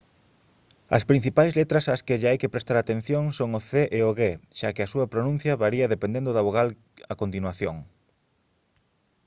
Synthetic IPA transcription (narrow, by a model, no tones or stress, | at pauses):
ɐ̰spɾin̟θipajzlet̪ɾɐsaskeʎaajkepɾest̪aɾat̪en̟θjoŋsoŋoθeʔeoɣeʃakeɐsuɐpɾonũn̟θjɐβaɾiɐðepend̪end̪ʊðaβoɣal | ɐkont̪inwaθjoŋ